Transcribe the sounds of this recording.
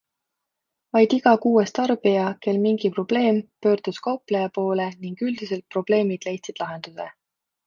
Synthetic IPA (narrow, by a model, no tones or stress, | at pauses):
vɑjd̪̥iɡɑkuːest̪ɑrb̥ijɑke̞lmiŋɡ̥ipro̞b̥le̞ːmpø̞ːrd̪̥uskɑwplejɑpo̞ːle̞niŋɡ̥yld̪̥ise̞lt̪̚pro̞b̥le̞ːmid̪̥le̞jt̪sid̪̥lɑɦe̞nd̪̥use̞̰